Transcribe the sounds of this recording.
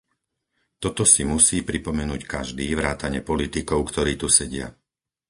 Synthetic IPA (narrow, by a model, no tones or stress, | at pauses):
t̪ɔt̪ɔsimusiːpɾipɔmɛnuːckaʒd̪iːʋɾaːt̪aɲɪɛpɔlit̪ikɔʊkt̪ɔɾiːt̪usɛɟɪa̰